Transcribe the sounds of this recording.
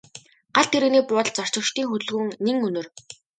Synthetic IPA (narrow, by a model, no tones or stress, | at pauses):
ɢ̥aɮt̪ʰeɾɘ̆ɣniːpʊːtɮt͡sɔr̥t͡ɕə̆kʃt̪iːŋxɵt̪̆ɮɣɵ̆ŋneŋɵnɵ̆r